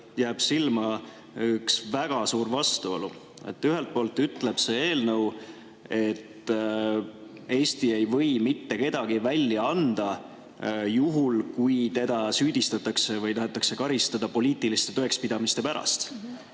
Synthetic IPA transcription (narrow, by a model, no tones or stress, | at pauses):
jæːb̥silmɑ | yksvæɡ̥ɑsuːɾvɑst̪uo̞̰lṵ | e̞̰t̪ˑːyɦe̞lt̪̚po̞ːlt̪yt̪ˑle̞b̥se̞e̞ːlnɤw | e̞t̪ | e̞ːst̪ie̞jvɤ̞jmit̪ːe̞ke̞d̪̥ɑɡ̥ivælʲːjɑɑnd̪̥ɑ | juɦulkujt̪e̞d̪̥ɑsyːd̪̥ist̪ɑt̪ːɑkse̞vɯjt̪ɑɦe̞t̪ːˑɑkse̞kɑɾist̪ɑd̪̥ɑpo̞liːt̪ˑilist̪e̞t̪oe̞kspid̪̥ɑmist̪e̞pæɾɑ̰st̪